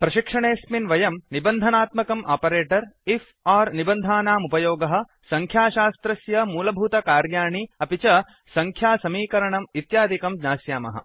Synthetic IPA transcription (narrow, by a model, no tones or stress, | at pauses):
pɾɐʃikʂɐɳeːsminʋɐjɐmnibɐnd̪ʱɐnaːt̪mɐkɐmʔa̰ːpɐɾeːʈɐɾif | aːɾnibɐnd̪ʱaːnaːmupɐjoːɡɐɦɐ̆ | sɐŋkʰjaːʃaːst̪ɾɐsjɐmuːlɐbʱuːt̪ɐkaːɾjaːɳiɐpit͡ʃɐ | sɐŋkʰjaːsɐmiːkɐɾɐɳɐmit̪jaːd̪ʱikɐmd͡ʒnaːsjaːmɐ̰ɦɐ̰